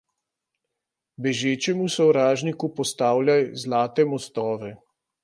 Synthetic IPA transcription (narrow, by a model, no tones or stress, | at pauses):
bɛʒeːt͡ʃɛmusɔwɾaːʒnikupɔst̪aːwlʲjajzlaːt̪ɛmɔst̪ɔːʋɛ